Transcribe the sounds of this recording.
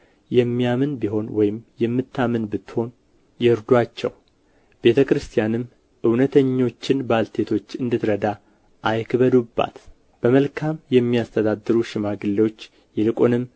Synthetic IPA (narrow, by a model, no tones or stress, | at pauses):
jɛmːijamɨnbiɦo̞nwɔjɪmjɛmːɨt̪ʰːamɨnbɨt̪ːho̞n | jɛɨɾd̪wat͡ʃːɛ̰w | b̥e̞t̪ʰəkɾɨst̪ʰijanɨm | ʔɨwnət̪ʰəɲːo̞t͡ʃːɪnbalt̪ʰe̞t̪ʰo̞t͡ʃːɨnd̪ɨt̪ɾəd̪a | ʔajkʰɨβəd̪ubːa̰t̪ | b̥əməlkʰamjɛmːiast̪ʰəd̪ad̪ːɨɾuʃɪmaɡɨlːewo̞t͡ʃː | jɛlɨkʼonɨm